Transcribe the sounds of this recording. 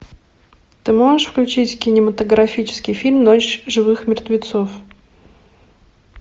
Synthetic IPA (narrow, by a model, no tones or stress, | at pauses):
t̪ɨmoʐɨʂfklʲʉt͡ɕitʲkʲɪnʲɪmət̪əɡɾɐfʲit͡ɕɪ̥skʲɪjfʲilʲmnot͡ɕʐɨvɨxmʲɪrt̪vʲɪt̪sof